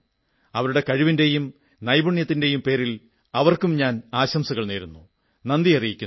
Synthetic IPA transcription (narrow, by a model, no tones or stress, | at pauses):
ɐʋɐɾuɽe̞kɐɻiʋinde̞jum | nɐjbuɳjɐt̪ːinde̞jumpe̞ːɾil | ɐʋɐrkumɲaːnaːɕɐmsɐɣɐɭneːɾunːu | nɐnd̪ijɐrijikʲːu